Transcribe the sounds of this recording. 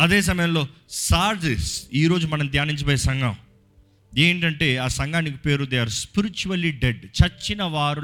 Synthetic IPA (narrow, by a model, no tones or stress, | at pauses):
ɐd̪eːs̬ɐmɐjɐmlo̞ːsaːɾd͡ʒesiːɾo̞ːd͡ʒumɐnɐmt̪jaːniɲt͡ʃɐpoːjesɐŋɡɐm | eːɳʈɐɳʈe̞ːaːsɐŋɡaːnikipe̞ːɾud̪ɐjaːɾuspiɾit͡ʃuɐliɖeɖt͡ʃɐt͡ʃːinɐʋaːɾu